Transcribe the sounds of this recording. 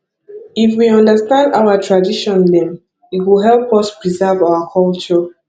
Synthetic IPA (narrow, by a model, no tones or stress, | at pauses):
ifwiɔ̃ndəstãndaʊətʰɹadiʃɔ̃ndɛ̃m | itwilɦɛlpɔspɹizɛvaʊwəkʰɔlt͡ʃɔ